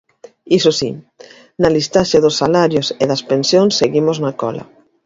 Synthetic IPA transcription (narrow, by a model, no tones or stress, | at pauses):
isosḭ | nalist̪aʃeðʊsːalaɾjoseðɐspensjõŋsːeɣimoznakɔla̰